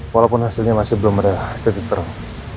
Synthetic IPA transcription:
walapʊnhasɪlɲamasɪhbəlʊməɾat̪ət̪it̪ər

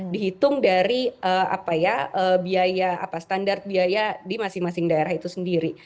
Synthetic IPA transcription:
diɦit̪ʊŋdaɾiəa̰pajaəbiajaa̰past̪andart̪̚biajadimasɪŋmasɪŋdaeɾaɦit̪usəndiɾi

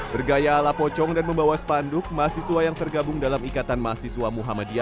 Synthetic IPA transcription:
bərɡajalapɔt͡ʃɔŋdanməmbawasə̥pandʊk̚maasisuwajaŋt̪ərɡabʊŋdalamikat̪anmaasisuamuɦamadia

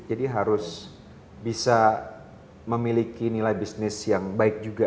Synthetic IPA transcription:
d͡ʒadiɦaɾʊs | bisa | məmilikinilajbisnɪsjaŋbaɪk̚d͡ʒuɡa

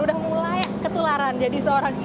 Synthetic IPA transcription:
udahmulajkət̪ulaɾand͡ʒadisəoɾaŋs

